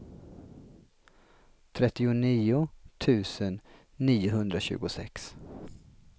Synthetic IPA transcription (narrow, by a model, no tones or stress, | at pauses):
t̪ʰɾɛt̪ːɪʊniːʊt̪ʰʉ̟ːsənː | iːʊɦɵnd̪ɾaɕʉ̟̰ːɡʊsɛ̰ks